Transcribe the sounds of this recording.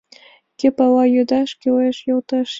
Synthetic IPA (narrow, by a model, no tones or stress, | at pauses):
kʲepɑlɑjød̪ɑʃkʲyleʃjolt̪ɑʃ